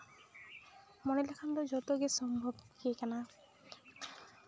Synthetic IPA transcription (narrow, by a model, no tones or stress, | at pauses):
mɔnilakʰand̪od͡ʑɔt̪oɡesɔmbʱobkiekɛna